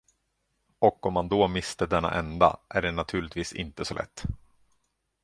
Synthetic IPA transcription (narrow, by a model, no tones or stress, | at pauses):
ɔkːɔmːand̪oːmɪst̪əd̪ɛnːa̰ʔɛnd̪a̰ʔæɖɛnat̪ʰʉ̟ːɭɪt̪viːsɪ̰nt̪əsɔlɛ̰t̪ː